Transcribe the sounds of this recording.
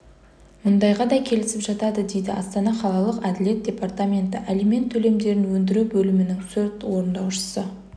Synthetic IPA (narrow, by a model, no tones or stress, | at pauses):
mʊnd̪ɑjʁɑd̪ɑkʲʰe̞lɪsɪpʒɑt̪ɑd̪əd̪e̞jd̪ɪʔɑst̪ɑnɑχɑlˠɑlˠəqæd̪ɪle̞t̪̚d̪̥ʲe̞part̪amʲe̞nt̪ɪʔælime̞nt̪ʰːɵle̞md̪e̞ɾɪnwɵnd̪ɪɾubɵlɪmɪnɪŋsʰɵɾt̪wo̞ɾənd̪ɑwʃə̥sə